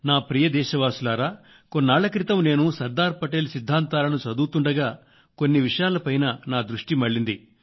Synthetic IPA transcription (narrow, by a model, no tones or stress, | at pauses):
naːpɾijɐd̪ɛːʃɐʋaːsulaːɾaː | ko̞nːaːɭɐkɾit̪ɐmne̞ːnusɐɾd̪aːɾpɐʈeːlsid̪ʱːaːnt̪aːlɐnut͡ʃɐd̪uːt̪uɳɖɐɡaː | ko̞nːiʋiʂɐjaːlɐpɐjnɐnaːd̪ɾuʂʈimɐɭːind̪i